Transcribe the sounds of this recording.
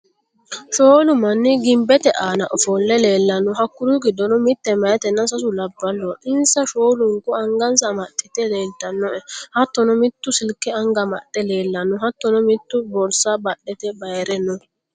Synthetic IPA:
ʃoːlʊmɐnːɪɡɪmbɛt̪ɛʔaːnɐʔɔfɔlːɛle̞ːlːɐnɔɦɐkːʊɾuɡɪd̪ɔnɔmɪt̪ːɛmɐjɐt̪ɛnːɐsɐs̬ʊlɐbːɐlːɔʔɪnsɐʃo̞ːlʊŋkʊɐŋɡɐns̬ɐmɐt̪ʼːɪt̪ɛle̞ːlt̪ɐnːɔʔɛhɐt̪ːɔnɔmɪt̪ːʊsɪlkːɛɐŋɡɐmɐ̰ɗʼɛle̞ːlːɐnɔɦɐt̪ːɔnɔmɪt̪ːʊbɔlsabɐɗːɛt̪ɛbɐjɾɛnːɔ

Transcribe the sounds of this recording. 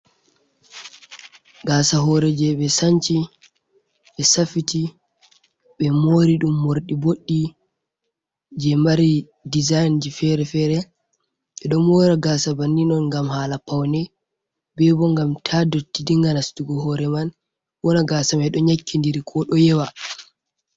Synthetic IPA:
ɡasaɦɔɾɛd͡ʒɛɓɛsaɲt͡ʃi | ɓɛsafiti | ɓɛmoɾiɗumːoɾɗiboɗːi | d͡ʒɛmaɾi | dizajnd͡ʒifɛɾɛfɛɾɛ | ɓɛɗɔmɔːɾaɡaːsabanːinɔnŋɡamhaːlapawnɛ | bɛbɔŋɡamtʰadotːidiŋɡanastuɡɔhɔɾɛman | wɔnaɡaːsamɛɗɔɲakʰːindiɾikʰɔɗɔjɛwa

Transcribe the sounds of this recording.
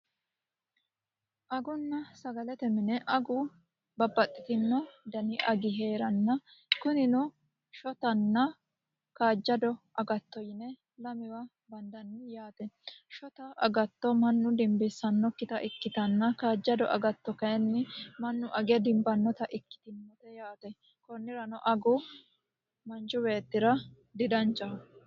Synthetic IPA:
ʔɐɡʊnːɐsɐɡɐlɛt̪ɛmɪnɛʔɐɡʊ | bɐbːɐt̪ʼːɪt̪ɪnːɔd̪ɐnɪʔɐɡɪɦe̞ːɾɐnːɐ | kʊnɪnɔ | ʃɔt̪ɐnːɐ | kaːd͡ʒːɐd̪ɔʔɐɡɐt̪ːɔjɪnɛ | lɐmɪwɐ | bɐnd̪ɐnːɪjaːt̪ɛʃɔt̪ɐʔɐ̰ɡɐt̪ːɔmɐnːʊd̪ɪmbɪsːɐnːɔkːɪt̪ɐʔɪkːɪt̪ɐnːɐkaːd͡ʒːɐd̪ɔ̰ʔɐ̰ɡɐt̪ːɔkɐjɛnːɪmɐnːʊʔɐɡɛd̪ɪmbɐnːɔt̪ɐʔɪkːɪ̥t̪ɪnmɔt̪ɛjaːt̪ɛ | kɔnːɪɾɐnɔʔɐɡʊ | mɐnd͡ʒʊbeːt̪ːɪɾɐ | d̪ɪd̪ɐnt͡ʃːɐ

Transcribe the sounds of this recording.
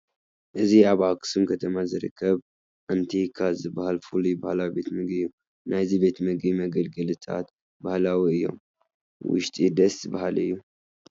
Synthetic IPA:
ʔɨziaβakɨ̥sɨmkʰət̪ʰəmazɨɾɨ̰kʰːəβ | ʔant̪ʰekʰazɨbahalfulibahlawibe̞t̪mɨɡɨjːu | najzibe̞t̪mɨɡimɐɡəlɡəlɨt̪ʰa̰t̪ | bahlawiɨjːo̞̰m | wɨ̰ʃt̪ʼid̪əsʼbahalɨ̰jːu

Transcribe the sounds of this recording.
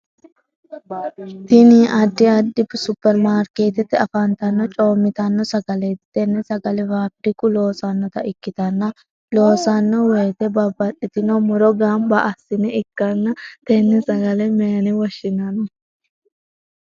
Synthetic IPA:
t̪ɪniʔɐd̪ːɪɐd̪ːɪbsʊpːɛɾmaːɾkeːt̪ɛt̪ːɪɐfɐnt̪ɐnːɔt͡ʃʼoːmːɪt̪ɐnːɔsɐɡɐlɛt̪ɛnːɛsɐɡɐlɛvaːb̚d̪ɪkʼʊlo̞ːsɐnːɔt̪ɐɪkːɪt̪ɐnːɐ | lo̞ːsɐnːɔweːt̪ɛbɐbːɐtʼːɪt̪ɪnɔmʊɾɔɡambɐʔɐsːɪnɛɪkːɐnːɐt̪ɛnːɛsɐɡɐlɛmeːnɪwɔʃːɪnɐnɔ

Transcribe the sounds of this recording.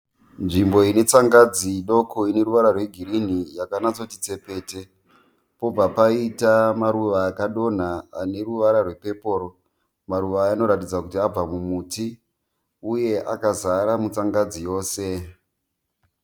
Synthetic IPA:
nʐimbo̞ine̞t͡saŋɡad͡ziɗo̞kʰoine̞ɾuʋaɾarwe̞ɡʱiɾin̤ijakanat͡so̞tit͡se̞pe̞ːte̞ | po̞b͡vapaitamaɾuʋaːkaɗo̞n̤aːne̞ruʋaɾarwe̞pe̞po̞ːɾo | maɾuʋaːno̞ɾatid͡zakutiab͡vamumuːti | uje̞ʔakazaɾamut͡saŋɡad͡zijo̞ːse̞

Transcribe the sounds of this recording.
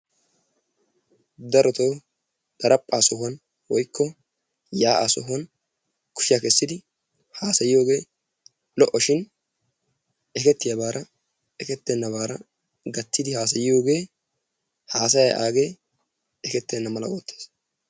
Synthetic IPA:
d̪ɐɾɔt̪oː | d̪̥ɐɾɐpʼːaːsɔhwɐn | wɔjkʰːɔ | jaːʔa̰sɔɦʊɐn | kʊ̥ʃɪjakɛsːɪd̪ɪ | haːsɐjɪjo̞ːɡe̞ː | lɔʔɔʃɪn | ʔɛkɛt̪ːɪjɐbaːɾɐ | ɛkɛt̪ːɛnːɐβaːɾɐ | ɡɐt̪ːɪd̪ɪhaːs̬ɐjɪjo̞ːɡe̞ː | haːs̬ɐjɐʔa̰ːɡe̞ː | ɛkɛt̪ːɛnːɐmɐlɐ̰woːt̪ːeːs

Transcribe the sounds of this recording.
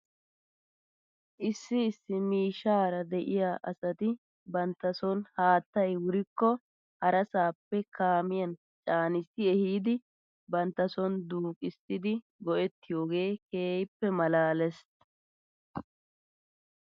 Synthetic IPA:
ʔɪsːɪːsːɪmiːʃaːɾɐd̪ɛʔɪjaːʔɐsɐt̪ɪ | bɐnt̪ːɐsɔnhaːt̪ːɐjwʊɾɪkːɔ | hɐɾɐsaːpːɛkʰaːmɪjɐn | t͡ʃʼaːnɪsɪɛhiːd̪ɪ | bɐnt̪ːɐsɔnd̪uːkʼɪsɪd̪ɪ | ɡɔʔɛt̪ːɪjo̞ːɡe̞ːkeːjɪpːɛmɐlaːlɛs

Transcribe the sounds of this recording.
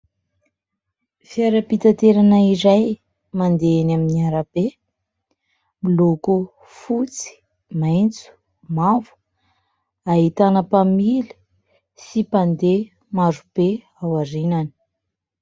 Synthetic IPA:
fiaɾapit̪at̪eɾanaiɾaj | mand̪eenaminiaɾab̥e | miloku | fut͡si̥ | majnt͡su̥ | mavu̥ | aɦit̪anəpamili̥ | sipand̪e | maɾub̥e | awaɾinani̥

